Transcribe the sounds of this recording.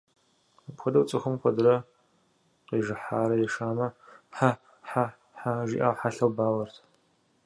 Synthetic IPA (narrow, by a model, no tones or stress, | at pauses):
pxʷɔdɐwt͡sʼɨxʊmxʷɔdɨɾɐ | qeːʒɨħaːɾɐjɛʂaːmɐħa | ħa | ħaʒḭːʔaːwħaɬɐwbaːwɐrtʰ